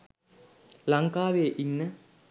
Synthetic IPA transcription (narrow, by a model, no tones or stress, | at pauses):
laŋkaːʋejeʔinːə